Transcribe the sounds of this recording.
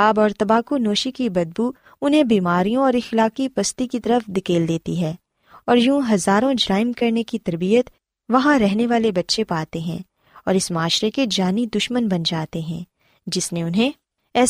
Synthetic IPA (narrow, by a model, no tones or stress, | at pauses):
aːbɔːɾt̪ɐbaːkunoːʃikibɐd̪̚bu | ʊnɦẽbiːmaːɾijõɔːɾɪxlaːkipɐst̪ikit̪ɐɾəfd̪ɪkeːld̪eːt̪iɦɛː | ɔːɾjũːɦɐzaːɾõd͡ʒɾaːɪmkɐɾnekit̪ɐɾbijət̪ | ʋɐɦãɾɛɦneʋaːlebɐtːʃepaːt̪eɦɛ̰̃ː | ɔːɾɪsmaːʃɾeked͡ʒaːnid̪ʊʃmənbɐnd͡ʒaːt̪eɦɛ̰̃ː | d͡ʒɪsneʊnɦẽ | ɛː